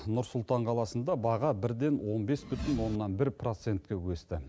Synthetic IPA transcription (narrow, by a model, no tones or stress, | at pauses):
nʊɾsʊlˠt̪ɑɴqʰɑlˠɑsənd̪ɑbɑʁɑbɪɾd̪e̞nwo̞nbe̞sbʏt̪ɪnwo̞nːɑnbɪɾpro̞t̪se̞nt̪̚kʲewɵst̪ɪ